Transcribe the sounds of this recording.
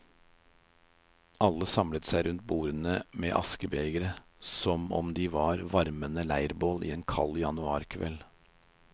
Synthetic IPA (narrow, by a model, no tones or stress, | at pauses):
ɑlːəsɑmlət̪sæɪɾʉnt̪̚buːɾənəmḛːʔɑ̰skəbeːɡəɾə | sɔmɔ̰md̪iːʋɑːɾʋɑɾmənəlæɪɾboːlḭːeːnkʰɑ̰ljɑnʉɑːɾkʰʋɛ̰l